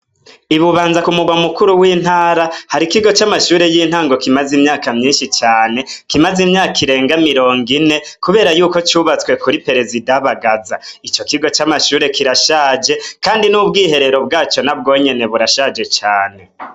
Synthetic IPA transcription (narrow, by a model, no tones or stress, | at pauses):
iβuβaːnzakumuɡwamukuɾuwiːn̥haːɾahaɾikiɡo̞t͡ʃamaʃuːɾe̞jiːn̥haːŋɡo̞kimazimɲaːkamɲiːnʃit͡ʃaːne̞kimazimɲaːkiɾe̞ːŋɡamiɾo̞ːŋɡine̞kuβe̞ːɾajuːko̞t͡ʃuβat͡skwe̞kuɾipe̞ɾe̞zidaβaɡazait͡ʃo̞kiɡo̞t͡ʃamaʃuːɾe̞kʰiɾaʃaːd͡ʒe̞kaːndinuːbɡiːhe̞ɾe̞ɾo̞b̚ɡaːt͡ʃo̞nab̚ɡo̞ːɲe̞ne̞βuɾaʃaːd͡ʒe̞t͡ʃaːne̞